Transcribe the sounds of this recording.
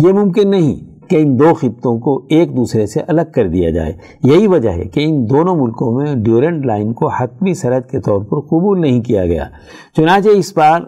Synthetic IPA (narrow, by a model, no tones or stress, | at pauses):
jemʊ̃mk̬ɪnːɐɦḭ̃ | keɪ̃nd̪oːxɪt̪t̪õkoeːk̚d̪uːsɾeseʔɐləɡ̚kɐɾd̪ija̰d͡ʒa̰ːḛː | jɐɦiʋɐd͡ʒa̰ɦɛ̰keɪnd̪oːnõmʊlkõmẽɖjuːɾẽɳʈlaːɪnkohɐt̪misɐɾəd̪ket̪ɔːɾpɐɾqʊbuːlnɐɦĩkija̰ɡɐ̰ja̰ː | t͡ʃʊnãːt͡ʃeɪsbaːɾ